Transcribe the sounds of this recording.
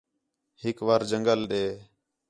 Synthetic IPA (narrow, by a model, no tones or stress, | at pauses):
hɪkʋaːɾd͡ʒəŋɡəlɗeː